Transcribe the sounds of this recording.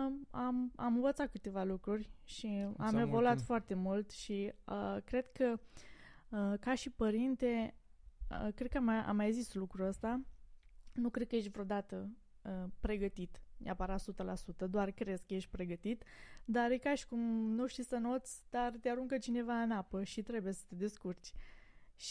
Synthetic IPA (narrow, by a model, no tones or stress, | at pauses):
ama̰mɨ̃nvət̪sat̪̚kɨt̪e̞valukɾurʲʃiamevo̞luat̪foart̪e̞mult̪ʃiəkɾe̞d̪kə | əkaʃipəɾint̪e̞ | ə̰kɾe̞d̪̚kəama̰mːajzislukɾuəst̪a | nukɾe̞d̪̚kəjeʃ̬t̪ʲvɾeod̪at̪ə | əpɾe̞ɡət̪it̪neapəɾat̪sut̪əlasut̪əd̪oarkɾe̞skəje̞ʃt̪̚ʲpɾe̞ɡət̪it̪d̪aɾekaʃi̥kumnuʃt̪isəno̞t̪sʲd̪̥art̪eaɾuŋkət͡ʃine̞vaɨnapəʃit̪ɾe̞buje̞sə̥t̪ed̪e̞skurt͡ʃʲ | ʃ